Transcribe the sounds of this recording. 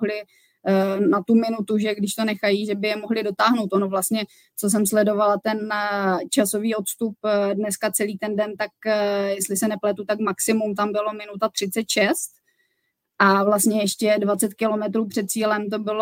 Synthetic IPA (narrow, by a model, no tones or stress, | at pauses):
ɦlɪ | nat̪umɪnut̪uʒɛɡdɪʃt̪o̞nɛxajiʒɛbɪjɛmoɦlɪdo̞t̪aːɦnowt̪ʔonovlast̪ɲɛ | t͡so̞s̬ɛmslɛdo̞valat̪ɛnt͡ʃaso̞viːo̞t̪st̪up̚dnɛskat͡sɛliːt̪ɛndɛnt̪ak̚jɛst̪lɪsɛnɛplɛt̪ut̪akmaksɪmumt̪̬ambɪlo̞mɪnut̪at̪r̝̥ɪtt͡sɛt̪ʃɛst̪ | ʔavlast̪ɲɛjɛʃcɛdvat͡sɛt̪kɪlo̞mɛt̪ɾuːpr̥ɛt̪̚t͡siːlɛmt̪o̞bɪlo